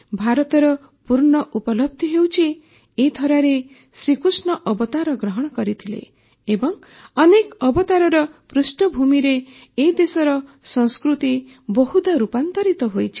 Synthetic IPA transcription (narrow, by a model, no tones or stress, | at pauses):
bʱaɾɔt̪ɔɾɔ | puɾɳɔʔupɔlɔb̚d̪ʱɔɦewt͡ʃʰi | ed̪ʰʱɔɾaɾe | sɾikusɳɔʔɔbɔt̪aɾɔɡɾɔɦɔɽ̃ɔkɔɾit̪ʰilḛː | bɔŋ | ɔnekɔbɔt̪aɾɔɾɔpɾusʈɔbʱumiɾe | ed̪esɔɾɔsɔ̃ŋskɾut̪i | bɔɦud̪ɔɾupant̪ɔɾit̪ɔɦojt͡ʃʰi̥